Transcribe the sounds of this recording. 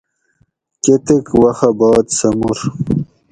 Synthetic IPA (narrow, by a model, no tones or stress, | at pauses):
ket̪ekwɐxabaːt̪sɐmuɾ